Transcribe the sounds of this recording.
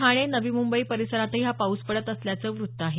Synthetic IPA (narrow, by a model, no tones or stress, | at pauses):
ɦaɽ̃enəʋiːmumbəiːpəɾisəɾat̪əiɦapauspəɽət̪əsljat͡səːʋɾut̪ːəaɦe